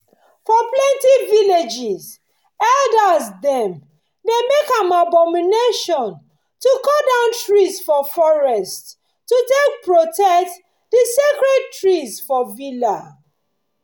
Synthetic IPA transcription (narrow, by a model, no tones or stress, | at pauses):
fɔplɛ̃ntiviled͡ʒiz | ɛldasdɛ̃m | demekãmabɔmineʃɔ̃n | tukodãʊ̃ntɹisfɔfɔɹɛst | tːutek̚pɹotɛt | disekɹɛd̚tɹizfɔvila